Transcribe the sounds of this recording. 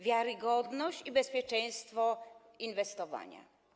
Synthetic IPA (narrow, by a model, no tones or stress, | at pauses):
vʲjaɾɘɡɔd̪nɔɕt͡ɕibɛspʲjɛt͡ʂɛ̃j̃st̪fɔ | invɛst̪ɔva̰ɲa̰